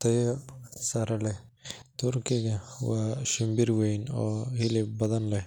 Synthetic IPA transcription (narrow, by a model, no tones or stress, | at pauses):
t̪ʰɐjɔsɐɾɐlɛt̪ʰʊrkʰɪɣɐwɑːʃɪmbɪrwɛjnɔːhɪlɪbbɐðɐnlɛh